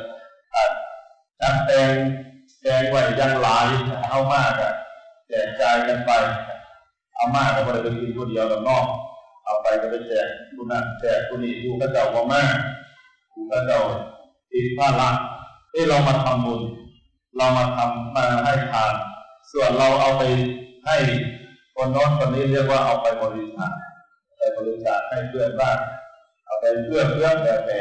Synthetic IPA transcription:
ʔa˨˩ | t͡ɕa˧˥˩ŋpɛː˧ŋ | tɛː˧ŋwa˧˩˨jaː˧˩ŋlaː˨˦jʰa˧˩t̪ʰa˥˩wmaː˥˩kkːa˧˩t͡ɕɛː˨˩k̚t͡ɕaː˧jka˧npa˧ja˩ | t̪ʰaː˧˩maː˥˩k̚ːaː˧˩bɔː˧la˧˩pe˧nkʰi˧nkʰu˧˩di˧əwt̪a˨˧˩nɔː˥˩k̚ | ʔa˨˩pa˧jka˧˩pa˧˩jt͡ɕɛː˨˩k̚ku˧na˧˩t͡ɕɛː˨˩k̚ku˧niː˨˩kuː˧˥kʰaː˥˩t͡ɕa˨˩wkɔ˧˦maː˥˩ | uː˧˩kaː˧˥˩t͡ɕa˧˩w | t̪ʰi˦˥t̪̚pʰaː˥˩la˦˥ʔ̚ | ʔeː˧˥˩la˧wmaː˧t̪ʰa˧mbu˧n | la˧wmaː˧t̪ʰa˧mːaː˧ɦa˥˩jp̪ʰaː˧nsu˨˩ənɾa˧wʔa˧wpa˧jha˥˩j | kʰo˧nːɔː˦˥nt̪ʰɔ˧˩nːiː˦˥˨li˥˩ək̚waː˥˩ʔa˧wpa˧jbɔː˧li˧˥sʰaː˨˩˦n˧ | pa˧˩jbɔː˧li˧˦t͡ɕʰaː˨˩t̪̚ha˥˩jpʰɯ˧˩ət̪̚baː˥˩ŋ | ʔa˧wpa˧jpʰɯ˥˩əpʰɯ˥˩əŋpɛː˧˩tɛː˧˩

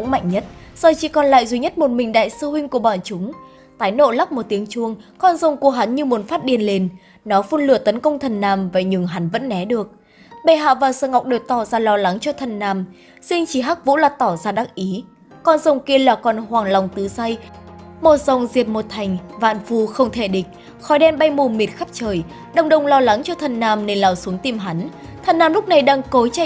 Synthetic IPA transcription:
kʊ̰˧˥ŋ͡mma̰˧˨jŋ̟ɲə˦˥t̚z̥ɔ˧˩t͡ɕḭ˧˩kɔ˨˩nla̰ː˧˨jzi˨˦ɲə˦˥t̚mo˨˩t̚mï˨˩ŋ̟ɗa̰ː˧˨jsɨ˧hwï˧ŋ̟ku˧˩əɓɔ̰ː˧˩nt͡ɕʊ˨˦ŋ͡m | t̪aː˨˦jno̰˧˨la˦˥p̚mo˨˩t̚t̪i˨˦əŋt͡ɕu˧əŋkɔ˧nzə˨˩wŋ͡mku˧˩əɦa˨˦nɲɨ˧mu˨˦nfaː˦˥t̚ɗi˨˩ənle˧n | nɔ˨˦fu˧nlɨ˨˧˩ət̪ə˨˦nkə˧wŋ͡mt̪ʰə˨˩nːaː˨˩mva˨˩ɲɨ˨˩ŋɦa˨˦nvə̰˧˥nːɛ˨˦ɗɨ˨˩ək̚ | ɓe˧˩ɦa̰ː˧˨vaː˨˩wsəː˧ŋa˨˩wk͡p̚ɗɨ˨˩k̚t̪ɔ˧˩zaː˧˩lɔ˧la˨˦ŋt͡ɕɔ˧t̪ʰə˨˩nːaː˨˩m | si˧ŋt͡ɕi˧˩ɦaː˦˥k̚vṵ˧˥laː˨˩t̪ɔ˧˩zaː˧ɗa˦˥k̚ʔi˨˦ | kɔ˨˩nzə˨˩wŋ͡mki˧əlaː˨˩kɔ˨˩nhwaː˨˩ŋla˨˩wŋ͡mt̪ɨ˨˦sa˧jmo˨˩t̚za˨˩wŋ͡mzi˨˩əp̚mo˨˩t̚t̪ʰa˨˩jŋ̟va̰ː˧˨nfu˧˩xə˧wŋ͡mt̪ʰe˧˩ɗï˨˩k̟̚ | xɔ˨˦jɗɛ˧nmɓa˧jmu˨˩mi˨˩t̚xa˦˥p̚t͡ɕəː˨˩j | ɗə˨˩wŋ͡mɗə˨˧˩wŋ͡mlɔ˧la˨˦ŋt͡ɕɔ˧t̪ʰə˨˩nnaː˧˩mne˧nlaː˨˩wsu˨˦əŋt̪i˧mɦa˨˦n | t̪ʰə˨˩nːaː˧mlʊ˦˥k͡p̚na˨˩jɗaː˧ŋko˨˦jt͡ɕa˧˨

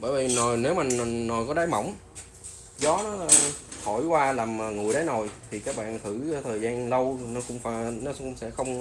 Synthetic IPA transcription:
ɓəː˧˩jvi˨˩no˨˩jne˨˦wmaː˨˩nː˨˩no˨˩jkɔ˨˦ɗaː˨˦jmə̰˧˩wŋ͡m | zɔ˨˦nɔː˨˦˨hʰo˧˩jkwaː˧laː˨˩maː˨˩ŋɨ˨˩əjɗə˨˦no˨˩jt̪ʰi˨˩kaː˦˥k̚ɓa̰ː˧˨nt̪ʰɨ̰˧˩˧t̪ʰəː˨˩jzaː˧nlə˧wnɔ˨˦xʊ̰˧˥ŋ͡mfaː˧˩jnɔ˨˦ʊ˧ŋ͡msɛ̰˧˥xə˧wŋ͡m

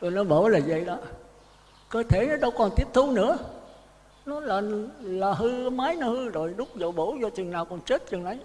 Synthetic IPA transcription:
t̪o˨˩jnɔ˨˦ɓo˧˩laː˨˩zə̰˧˨jɗɔ˨˦ | kəː˧t̪ʰe˧˩nɔ˨˦ɗə˧wkɔ˨˩nt̪i˦˥əp̚t̪ʰu˧nɨ̰˧˥ə | nɔ˨˦laː˨˩laː˨˩ɦɨ˧˨maː˨˦jnɔ˨˦hɨ˧zo˨˩jɗʊ˦˥k͡p̚zə˨˩wɓo˧˩zɔ˧t̪wi˨˩əŋnːaː˨˩wkɔ˨˩nt͡ɕe˦˥t̚t͡ɕɨ˨˩ŋnʔa˨˦j

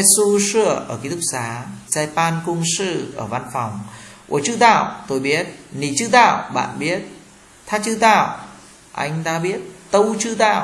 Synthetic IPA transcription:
su˧sɨ˧˩əʔəː˧˩ki˧˦t̪ʰʊ˥k̚saː˨˦za˧jpaː˧nkʊ˧ŋ͡msɨ̰˧˨ʔəː˧˩va˧nfɔ˨˩wŋ͡mʔu˧˩ət͡ɕɨ̰˧˥t̪a̰ː˧˨wt̪o˧jɓi˦˥ət̚ni˧˩t͡ɕɨ˧˥t̪a̰ː˧˨wɓa̰ː˧˨nɓi˦˥ət̚ | t̪ʰaː˧˥t͡ɕɨ˧t̪a̰ː˧˨w | ʔa˧jŋ̟t̪aː˧ɓi˦˥ət̚t̪ə˧wt͡ɕɨ˧t̪a̰ː˧˨w

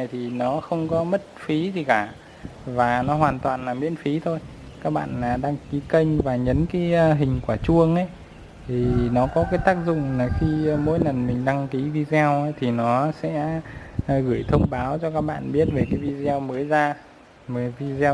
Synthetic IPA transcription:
jt̪ʰi˨˩nɔ˨˦xə˧wŋ͡mkɔ˨˦mə˦˥t̚fi˨˦zi˨˩kaː˧˩ | vaː˨˩nɔ˨˦ɦwaː˨˩nt̪waː˨˩nlaː˨˩mḭ˧˥ənfi˨˦t̪ʰo˧j | kaː˦˥k̚ɓa̰ː˧˨nlaː˨˩ɗaː˧ŋki˨˦kə˧jŋvaː˨˩ɲə˨˦nkaː˨˦jɦï˨˩ŋ̟kwaː˧˩t͡ɕu˧əŋʔə˨˦j | t̪ʰi˨˩nɔ˨˦kɔ˨˦kaː˨˦jt̪aː˦˥k̚zʊ̰˧˨ŋ͡mlaː˨˩xi˧mo̰˧˥jnə˨˩nmï˨˩ŋ̟ɗa˧ŋki˨˦vi˧zɛ˧wt̪ʰi˨˩nɔ˨˦sɛ̰˧˥ | ɣɨ˧˩jt̪ʰə˧wŋ͡mɓaː˨˦wt͡ɕɔ˧kaː˦˥k̚ɓa̰ː˧˨nɓi˦˥ət̚ve˨˩kaː˨˦jvi˧zɛ˧wməː˨˦jzaː˧ | mə˨˦vi˧z

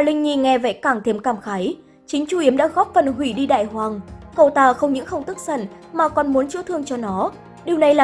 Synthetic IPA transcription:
aː˨˩lï˧ŋ̟ɲi˧˩ŋɛ˧vɛ̰˧˥kaː˧˩ŋt̪ʰe˧mkaː˧˩mxaː˨˦j | t͡ɕï˨˦ŋ̟t͡ɕu˧˩ʔi˨˦əmɗa̰ː˧˥ɣɔ˦˥p̚fə˨˩nɦwi˧˩ɗi˧ɗa̰ː˧˨jhwaː˨˩ŋkə˨˩wt̪aː˧˩xə˧wŋ͡mɲɨ̰˧˥ŋxə˧wŋ͡mt̪ɨ˦˥k̚sə̰˧˩n | maː˨˩kɔ˨˩nmu˨˦ənt͡ɕɨ̰˧˥t̪ʰɨ˧əŋt͡ɕɔ˧nɔ˨˦ | ɗi˨˩əwna˨˩jlaː˨˩

